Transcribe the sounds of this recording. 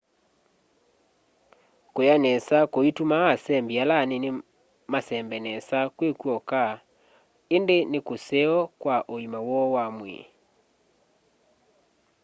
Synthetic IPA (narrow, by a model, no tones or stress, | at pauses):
kojanɛsakoitumaːsɛmbialanene | masɛmbɛnɛsakwekwɔka | endenekosɛɔkwaʔoimawɔwamwɛ̰